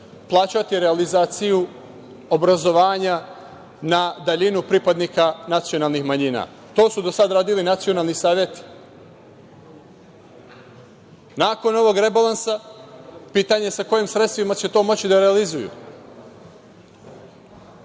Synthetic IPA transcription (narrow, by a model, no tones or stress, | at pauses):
plˠaːt͡ɕat̪iɾealizaːt̪siju | o̞bɾazo̞ʋaːɲa | nad̪aʎinupɾipad̪niːkanat̪sio̞naːlˠnixmaɲina̰ | t̪o̞ːsud̪o̞sad̪ɾaːd̪ilinat̪sijo̞nalˠnisaːʋje̞t̪i̥ | naːko̞no̞ʋo̞ɡɾe̞balˠansa | piːt̪aɲe̞sako̞jimsɾet̪st̪ʋimat͡ɕe̞t̪o̞ːmo̞t͡ɕid̪aɾealizujṵ